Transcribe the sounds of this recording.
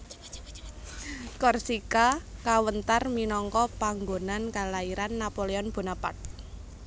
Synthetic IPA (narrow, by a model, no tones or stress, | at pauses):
kɔrsikakawənt̪arminɔŋkɔpaŋɡonankalaiɾanːapoleɔnb̥o̤napa̰t̪̚